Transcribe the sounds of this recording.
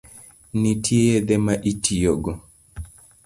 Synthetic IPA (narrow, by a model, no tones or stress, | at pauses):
nitʰiɛðɛmaʔitʰijɔɡɔ